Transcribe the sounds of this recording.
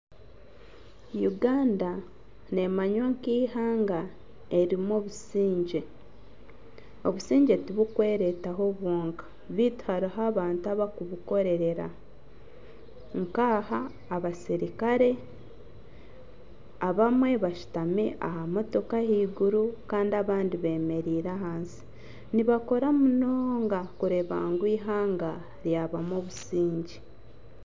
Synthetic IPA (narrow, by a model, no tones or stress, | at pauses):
juɡaːnda | ne̞maɲwaŋkiːhaːŋɡa | e̞ɾimoβusiːɲɟe | o̞βusiːɲɟe̞tiβukwe̞ːɾe̞taɦo̞βwoːŋkḁ | βiːtu̥haɾiɦaβaːntuaβakuβuko̞ɾe̞ɾe̞ɾa̰ | ŋkaːhaː | βasiɾikaɾe̞ | aβamwe̞βaʃu̥tamiʔa̰hamoto̞kahiːɡuɾukaːndiaβaːndiβe̞ːme̞ɾiːɾaɦaːnsi̥ | niβako̞ɾamunoːŋɡakuɾe̞βa̰ːŋɡwiːɦaːŋɡa | ɾjaβamoβusiːɲɟi